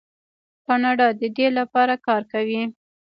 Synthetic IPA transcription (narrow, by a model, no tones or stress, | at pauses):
kɑnɑɖɑd̪əd̪elapɑɾakɑɾkawi